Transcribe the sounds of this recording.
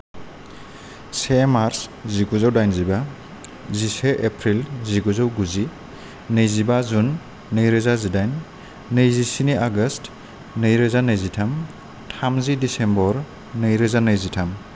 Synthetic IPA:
semaɾsziɡuzawdajnziba | ziseʔepʰɾilziɡuzawɡuzi | nɯjzibazunː | ɯjɾɯzazidajnː | ɯjzisiniʔaɡɯst | nɯjɾɯzanɯjzitʰam | tʰamzidisembɔɾ | nɯjɾɯzanɯjzitʰam

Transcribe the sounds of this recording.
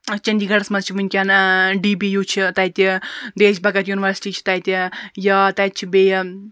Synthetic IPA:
t͡ʃɐnʲd̪iːɡɐɽɐsmɐzt͡ʃʰiʋɨnʲkʲanɖiːbijut͡ʃʰit̪ɐjt̪ʲid̪eːt͡ʃʲbɐkɐt̪juniʋɐɾsi̥ʈiːt͡ʃʰi̥t̪ɐjt̪ʲijɐt̪ɐt̪̚t͡ʃʰibeːj

